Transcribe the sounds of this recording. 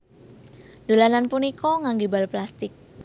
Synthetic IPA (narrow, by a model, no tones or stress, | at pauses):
d̥o̤lananpunikɔŋaŋɡibalplast̪ɪk̚